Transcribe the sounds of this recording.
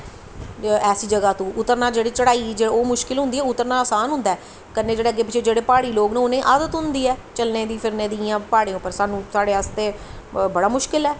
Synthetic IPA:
ɛːsiːd͡ʒəɡaːt̪õːʔʊt̪ːəɾnãːd͡ʒeːɽiːt͡ʃəɽaːiːd͡ʒeoːmʊʃkɪlɦʊ̃nd̪iːɛːʊt̪ːəɾnaːaːsaːnɦʊ̃nd̪ɛː | kənːeːd͡ʒeːɽeːəɡːeːp̬ɪt͡ʃʰeːd͡ʒeːɽeːpaːɽiːloːɡnẽːnẽːʔaːd̪ət̪ɦʊnd̪iːɛːt͡ʃəlneːd̪iːpʰɪɾnẽːd̪iãːpaːɽẽːʊpːəɾsaːnũːsaːɽeːast̪eː | bəɽaːmʊʃkɪlɛː

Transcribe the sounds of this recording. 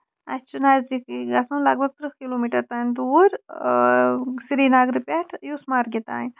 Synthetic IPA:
a̰t͡ʃunazd̪ikiɡasũnlɐɡbʱəɡ̚t̪ɾəkilomiʈəɾt̪and̪uːɾ | siɾinaɡɾipʲaʈʰjusmaɾɡʱet̪a̰ĩn

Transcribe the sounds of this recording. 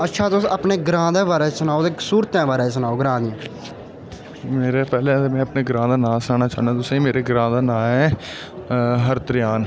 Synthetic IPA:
ətːʃʰaːt̪ʊsapneːɡɾãːd̪ãːbaːɾeːsənaːoːd̪eːsuːɾt̪ãːbaːɾeːs̬ənaːoɡɾãːd̪ɪjãː | meːɾeːpɛːlẽːemɛ̃ːəpneːɡɾãːd̪aːnãːsaːnaːt͡ʃaːnd̪ãːt̪ʊsĩmeːɾeːɡɾãːd̪aːnãːɛː | ɦəɾt̪əɾɪjaːn

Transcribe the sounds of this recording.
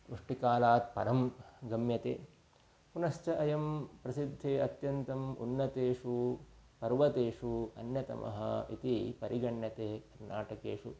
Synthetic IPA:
uʂʈikaːlaːt̪̚pɐɾɐmɡɐmjɐt̪ḛː | punɐʃt͡ʃɐʔɐjɐmpɾɐsid̪ʱːeːɐt̪jɐnt̪ɐmṵnːɐt̪eːʂupɐɾʋɐt̪eːʂuɐ̰njɐt̪ɐ̰mʔɐ̰ɦɐ̰ḭt̪ipɐɾʔiɡɐɳjɐt̪eːkɐɾna̰ːʈɐkeːʂu

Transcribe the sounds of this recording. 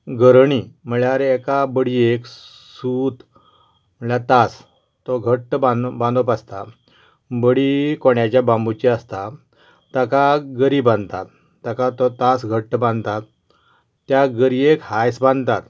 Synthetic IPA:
ɡʱəɾɳim̤əɳɭjaaɾeːkabəɽiek | sut̪ | m̤əɳlat̪as | t̪ɔɡʱəʈːbãbãnd̪ɔpast̪a | bəɽikoɳjat͡ɕjabãmbut͡ɕiast̪a | t̪akaɡəɾibãnd̪t̪at̪ː | akat̪ɔt̪asɡʱəʈːəbãnd̪t̪at̪ː | jaɡəɾiekhajsbãnt̪at̪

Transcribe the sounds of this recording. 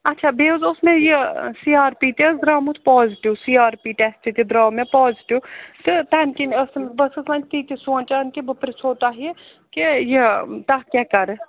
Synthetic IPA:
ɐtːʃʰabeːzʊsmẽjesiːaːɾpiːt̪esd̪ɾaːmut̪ʰpɔːzʈiwsiːaːɾpiːʈɛsʈit̪ʲid̪ɾaːmẽpɔːziʈiwt̪ɨt̪ɐnkinəsmbɐsɐsãːnʲt̪iːt̪ʲisoːnt͡ʃankibɐpɾsoːt̪aːɦie | kejet̪ɐɦkʲaːkɐɾ

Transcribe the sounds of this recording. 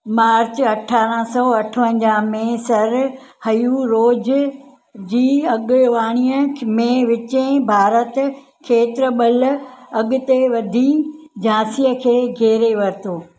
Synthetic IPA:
maːɾt͡ɕɐʈʰaːɾə̃sɔɐʈʰʋə̃ɲd͡ʑaːmẽsɐɾ | hɐjuɾoːd͡ʑ | d͡ʑiːɐɠʋaːɽ̃iːəmẽʋɪt͡ɕẽbʱaːɾət̪ | kʰeːt̪ɪɾəɓɐlɐɠʊ̆t̪eʋɐd̪ʱid͡ʑãːsijəkʰeːɡʱeːɾeʋɐɾɪt̪ʰoː

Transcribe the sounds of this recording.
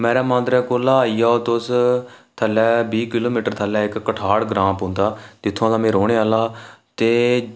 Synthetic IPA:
mɛ̃ːɾaːmãːnd̪ɾɛːkoːlaːiːaːoːt̪ʊs | t̪ʰəlːɛːbiːkɪloːmiːʈəɾt̪ʰəlɛːɪkːəʈʰaːɽɡɾãːmpɦʊ̃ːnd̪aːt̪ɪt̪ʰːõãːlãːmẽːɾoːɽeːaːlaːt̪eː

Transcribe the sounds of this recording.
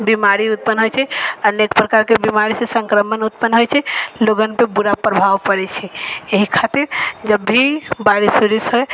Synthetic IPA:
bimaɾiut̪̚pənɦojt͡ʃʰɛənekpɾəkaɾkebimaɾisẽsə̃ŋkɾəmənut̪pənɦojt͡ʃʰɛloɡənpebuɾapɾəbʱaʋpəɾɛt͡ʃʰɛeɦikʰat̪iɾd͡ʒəbʱːibaɾisuɾisɦoj

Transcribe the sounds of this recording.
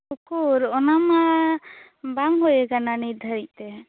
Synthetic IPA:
ukuɾɔnama | bamɦujɛkananiɾd̪ʱəɾic̪̚ˀt̪ɛ

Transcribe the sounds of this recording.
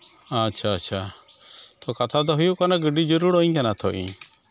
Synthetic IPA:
at͡ʃʰaːt͡ʃʰa | t̪ɔkat̪ʰad̪ɔɦujuʔkanaɡəɖid͡ʒɔɾuɽɔiɲkanat̪ʰɔʔḭ̃

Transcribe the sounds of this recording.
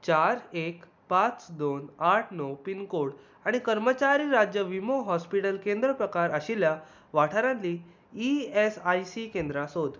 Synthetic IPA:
t͡ɕaɾek | pãt͡sd̪onaʈʰnɔpinkoɽ | aɽ̃ikəɾmət͡ɕaɾiːɾad͡ʑjəʋimoɦɔspiʈəlkẽnd̪ɾəpɾəkaɾəɕilja | ʋaʈʰaɾãnliː | esajsikẽnd̪ɾasod̪

